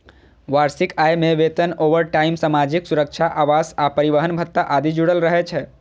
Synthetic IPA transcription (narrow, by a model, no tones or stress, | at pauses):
ʋaːɾsɪkajmẽʋet̪ənoʋəɾʈaːɪmsamad͡ʒɪksuɾəkʃʰaʔaːʋaːsapəɾiʋəɦənbʱət̪ːaʔaːd̪id͡ʒuɽəlɾəɦɛt͡ʃʰɛ